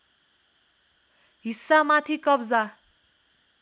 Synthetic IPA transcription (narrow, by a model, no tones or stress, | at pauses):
ɦisːamat̪ʰikʌbd͡za